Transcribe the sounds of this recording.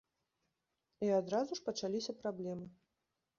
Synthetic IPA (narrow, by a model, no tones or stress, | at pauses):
iad̪ɾazuʂpɐt͡ʂalʲisʲɐpɾablʲɛmɨ